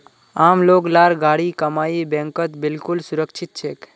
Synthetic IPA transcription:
amloːɡlaɾɡaɽikəmaibɛ̃ŋkət̪bɪlkʊlsʊɾəkt͡ʃʰɪt̪̚t͡ʃʰek

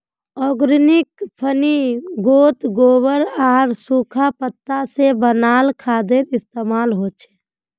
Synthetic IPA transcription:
ɔːɡɾɪnɪkpʰəniɡoːt̪ɡoːbəɾaːɾsuːkʰapət̪ːasebənaːlkʰaːd̪ɪɾɪst̪eːmaːlɦoːt͡ʃʰɛ̥ː

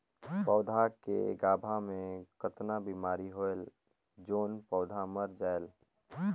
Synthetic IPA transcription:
pɔːʊd̪ʱakḛɡaːbʱamẽkət̪nabiːmaːɾiɦoel | d͡ʒoːnpɔʊd̪ʱaməɾd͡ʒaːel

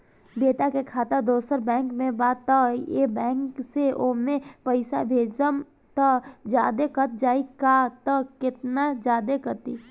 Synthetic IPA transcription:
beːʈ̪akekʰaːt̪ad̪oːsəɾbɛ̃ːŋkmẽbaːt̪aijebɛ̃ːŋkkseoːmẽpəɪsa̰bʱeːd͡ʒəm | t̪əd͡ʒja̰ːd̪ekɐt̪̚d͡ʒaːikat̪əkɪt̪nad͡ʒjaːd̪ekət̪iː

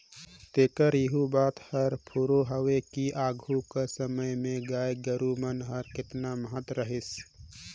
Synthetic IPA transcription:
t̪eːkəɾjɪɦubaːt̪həɾpʰuːɾoɦəwekiʔaːɡʱukasəməjmẽɡaːjɡəɾumənɦəɾkɪt̪naməɦət̪ɾəɦɪs

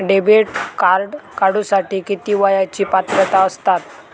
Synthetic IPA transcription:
ɖebeʈkaɾɖkaɽũsaʈiːkit̪iːʋajat͡ɕiːpat̪ɾət̪aəst̪at̪̚

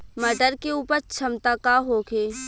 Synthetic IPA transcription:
mɐɖəɾkeuːpəɾt͡ʃʰɐmt̪akaɦoːkeː

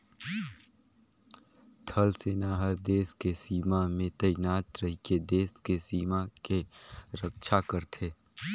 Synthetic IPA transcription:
t̪ʰɐlseːnaɦəɾd̪eːskesiːmamẽt̪ɐjnaːt̪ɾəɦiked̪eːskesiːmakeɾəkʃʰakəɾt̪ʰeː

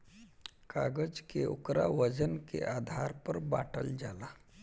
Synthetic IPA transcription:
kaːɡəd͡ʒkeʔʊ̰kɾa̰ʋəd͡ʒənkḛʔaːd̪ʱaːɾpəɾba̰ːʈə̰ld͡ʒaːlaː

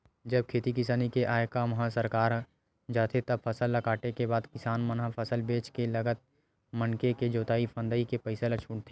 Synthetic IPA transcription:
d͡ʒɐb̚kʰeːt̪ikɪsaːnikeʔaːjkamɐɦãsɐɾkaːɾ | d͡ʒaːt̪ʰet̪ɐbpʰɐsəlːɐkaːʈekebaːd̪kɪsaːnmɐnapʰɐsəlbeːt͡ʃkelɐɡət̪̚ | mɐnkeked͡ʒoːt̪aːipʰə̃nd̪əikepɛɪselat͡ʃʰuːɽt̪ʰe

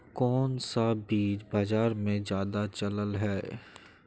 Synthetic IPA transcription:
kɔːnsabiːt͡ʃbaːd͡ʒaːɾmẽzjaːd̪at͡ʃɐləlɦɛː

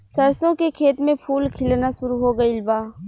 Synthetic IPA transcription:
sɐɾsõkekʰeːt̪mẽpʰuːlkʰɪlnaʃʊɾuɦoɡəilbaː

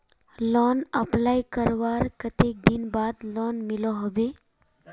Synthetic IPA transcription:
lɔnəplaːjkəɾʋaɾkət̪ek̚d̪inbad̪lɔnmilɔɦəʋe

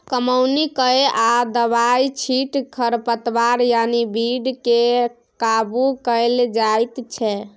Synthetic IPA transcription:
kəməwnikəead̪əbajt͡ʃʰiʈkʰəɾpət̪baɾjanibiɖke | kabukəɪld͡ʒajt̪t͡ʃʰɛ

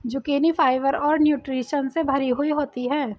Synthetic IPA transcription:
d͡ʒʊkeːnifʰaːɪʋəɾɔːɾnjuːʈɾiːʃənsebʱɐɾiɦuiɦoːt̪iɦɛ̃ː

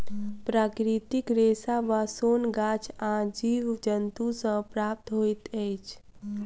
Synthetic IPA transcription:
pɾakɾit̪ikɾesaʋasonɡat͡ʃʰãd͡ʒiʋd͡ʒənt̪usə̃pɾap̚t̪ɦojt̪əjt͡ʃʰ

